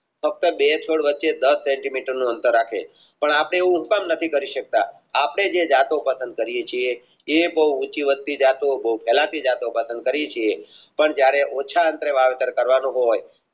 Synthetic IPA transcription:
fək̚t̪əbet͡ʃʰoɽʋətːʃed̪əsːɛɳʈimiʈəɾnũənt̪əɾːakʰḛ | pəɳapəɽ̃eːʋũɦukəmnət̪ʰikəɾiʃək̚t̪a̰ | apəɽ̃ed͡ʒed͡ʒat̪opəsənd̪̚kəɾijet͡ʃʰie | ebəɦuut͡ʃiʋəd̪̚t̪id͡ʒat̪obəɦupʰɛlat̪id͡ʒat̪opəsənd̪̚kəɾijet͡ʃʰiepəɳd͡ʒjaɾeʔot͡ʃʰaənt̪ɾeʋaʋet̪əɾkəɾʋanũɦoj

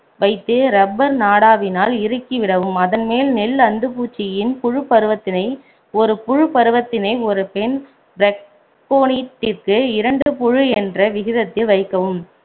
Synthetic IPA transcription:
ʋɐɪt̪ːɯɾɐbːɐɾnaːɽaːʋɪnaːlɪɾɯkːiʋɪɽɐʋɯmɐðɐnmeːlnɛlːɐnd̪ɯpuːt͡ʃːɪjɪnpʊɻɯpːɐɾɯʋɐt̪ːɪnɐɪ | ɔɾɯpʊɻɯpɐɾɯʋɐt̪ːɪnɐɪɔɾɯpɛn | bɾɛk̚ | poːniːʈːɪrkɯɪɾɐɳɖɯpʊɻɯɛndrɐʋɪɣɪðɐt̪ːɪlʋɐɪkːɐʋɯm

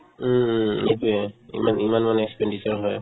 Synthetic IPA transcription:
etuɛḭmanimanmanɛɛkspɛndisaɹɦɔj

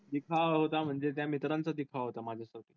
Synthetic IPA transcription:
d̪ikʰaɦot̪am̤əɳd͡zet̪̬jamit̪ɾant͡sad̪ikʰaʋɦot̪amad͡ʑʱjasaʈiː

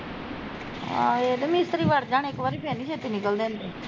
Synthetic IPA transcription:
eːd̪əmiɪst̪əɾiːʋaɽd͡ʒãːɳ̃ekʋaːɾiːpeːnit͡ʃʰeːt̪inɪkəld̪ẽːnd̪eː

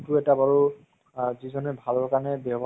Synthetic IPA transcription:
tʊɛtabaɹu | zizɔnɛbʱalɔɹkaɹnɛbɔɦbʱ

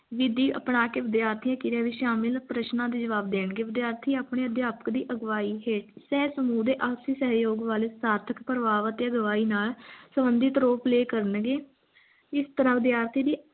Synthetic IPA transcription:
ʋɪd̪iːʔə̰pɳaːkeːʋɪd̪jaːɾt̪ʰijãːkɪɾɛːʋiːʃaːmɪlpɾəʃnãːd̪eːd͡ʒəʋaːb̚d̪eːnɡeːʋɪd̪jaːɾt̪ʰiːaːpɳeːəd̪jaːpə̥kd̪iːʔəɡʋaːiːɦeːʈsɛːsəmuːd̪eːʔaːsiːsəɦjoːɡʋaːleːsaːɾt̪ʰəkpɾəʋaːʋət̪eːəɡʋaːiːnaːlsəbənd̪ɪt̪ɾoːpleːkəɾənɡeː | ɪst̪əɾãːʋɪd̪jaːɾt̪ʰiːd̪iː

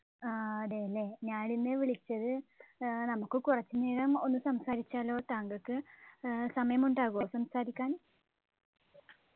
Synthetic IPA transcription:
aɐðeɐlːe̞ɲaːɭinːeʋiɭit͡ɕːɐðɨ | nɐmukːɨkurɐt͡ɕːɨneːlɐmo̞nːɨsɐmsaːɾit͡ɕːaːlo̞ːt̪aːŋɡɐkːɨ | sɐmɐjɐmuɳɖaːɣuʋɐsɐmsaːɾikʲːaːn

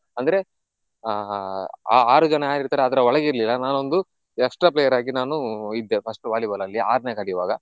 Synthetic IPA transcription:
ɐnd̪ɐɾe̞ | aaːɾud͡ʒɐnɐaːiɾt̪aːɾeɐd̪ɐɾɐɔɭɐɡiɾlilːɐnaːnond̪u | ɛksʈɾapleːjɐɾaːɡinaːnuid̪ːepʰɐsʈuʋaːlibɐlɐlːia̰ːɾneːkɐɽijuʋa̰ːɡɐ

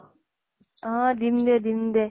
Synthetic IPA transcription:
ãd̪imd̪ed̪imd̪e

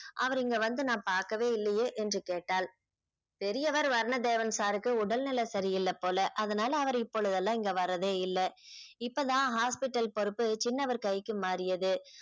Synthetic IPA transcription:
ʔɐʋɐɾɪŋɡɐʋɐnd̪ɯnãːpaːɾkɐʋeːɪlːɐjeːʔɛndrɯkeːʈːaːl | pɛɾɪjɐʋɐɾʋɐɾɐɳɐd̪eːʋɐnsaːɾɯkːɯʊɽɐlnɪlɐsɐɾɪjɪlːɐpːoːlɐʔɐðɐnaːlɐːʋɐɾɪpːɔɭɯðɐlːãːɪŋɡɐʋɐɾɐðeːɪlːɐɪpːoːt̪ãːɦaːspɪʈːɐlpɔɾɯpːɯt͡ʃɪnːɐʋɐɾkɐjkːɯmaːɾɪjɐðɯ

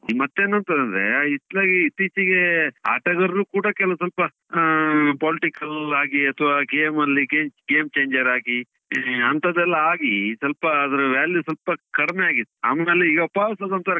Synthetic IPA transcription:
mɐt̪ːeːnːɐnt̪ɐɾɐnd̪ɾeit̪laːɡiit̪ːiːt͡ʃiɡe̞a̰ːʈɐɡɐɾɐɾuːkuːɽɐkɛlɐɐs̬ɐlpɐ | paːliʈikɐlaːɡiɐt̪ʰɐʋaːɡemɐlːiɡeːɡeːmt͡ʃeːɲd͡ʒɐɾaːɡi | ɐnt̪ʰɐd̪ɛlːɐaːɡisɐlpɐːd̪ɐɾɐʋaːljusɐlpɐkɐɽmejaːɡid̪a̰ːmelːiiɡɐɐpaːʋsɐd̪ɐnt̪ɐɾɐ

